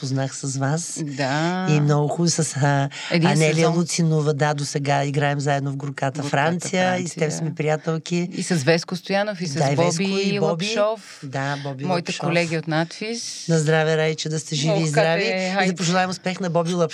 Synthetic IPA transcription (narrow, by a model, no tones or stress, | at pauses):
poznaxsɐzvasd̪aimnɔɡʊxusɐsə | ɛd̪iɐnɛliəlˠut̪sinovəd̪ad̪osɛɡaiɡɾaɛmzaɛd̪novɡɾʊkat̪əfɾant̪sijəist̪ɛmsɐmipɾijat̪ɛlˠkiisɐzvɛskʊst̪ojanofisd̪aivɛbkʊibɔbiɔf | d̪abɔbimˠɔipt̪ɛʃkɔolɛɡʲiot̪nat̪fisnɐzd̪ɾavɛɾait͡ʃɛd̪ɐst̪ɛʒiviːzd̪ɾaviid̪ɐpoʒɛlˠavɛmʊspɛxnɐbɔbilˠɐp